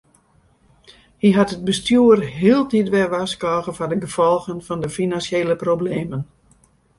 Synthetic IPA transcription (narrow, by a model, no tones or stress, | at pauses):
hiɦatət̚bəstjuərɦiəlˠtitʋɛʋaskɔːɣəfɔdəɡəfɔlˠɣənfɔndəfinansjeːləprobleːmən